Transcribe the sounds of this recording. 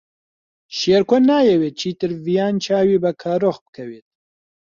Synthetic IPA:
ʃeːɾkʷʰɐnaːjɛweːt͡ʃʰiːt̪ɨɾvijaːnt͡ʃʰaːwiːbɐkʰaːɾoːxbɨ̥kʰɐweːt̪̚

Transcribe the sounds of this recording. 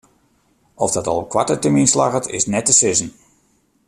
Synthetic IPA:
ɔfdɔtɔ̰lˠkwatətəminslaɣətɪ̰snɛtəsɪzən̩

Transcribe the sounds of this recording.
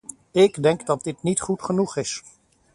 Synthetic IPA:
ɪɡdɛŋɡdɑt̚dɪtnitχutχənuχɪs

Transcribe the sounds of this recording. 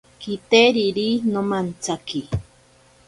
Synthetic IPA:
kit̪eɾiɾinomant͡saki

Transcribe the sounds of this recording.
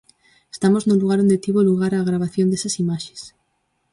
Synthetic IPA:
est̪amoznoluɣ̞aɾond̪et̪iβoluɣaɾaːɣɾaβ̞aθjõnd̪esasimaʃe̥s

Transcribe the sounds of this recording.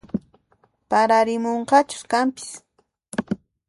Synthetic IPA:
paɾaɾɪmoɴqɑt͡ʃʊ̥skampɪ̥s

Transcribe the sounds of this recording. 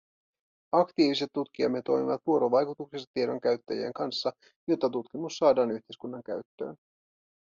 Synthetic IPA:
ɑkt̪iːʋise̞t̪ːut̪k̟iɑ̰mːe̞t̪ːo̞jmiʋɑt̪ʋuo̞ɾo̞ʋɑjkut̪uksest̪ɑ̥t̪ie̞do̞ŋk̟æɥt̪ːæjḛŋkɑnsːɑ | jo̞t̪ːɑt̪ut̪kimusːɑːdɑːnyçt̪ejskunːɑŋk̟æ̰ɥt̪ːø̰ːn

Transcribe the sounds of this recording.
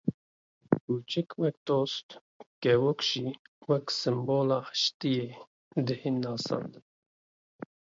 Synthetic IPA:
ut͡ʃʰɪkwɛk̚t̪oːst̪ | kɛwokʒ̥iwɛksɨmboːlɑːħə̥ʃt̪ije | d̪ɨhinːɑːsɑ̰ːnd̪ɨn

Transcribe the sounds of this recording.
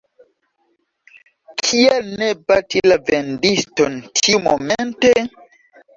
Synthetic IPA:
kʰielnebatilavendistontʰiumo̰mente

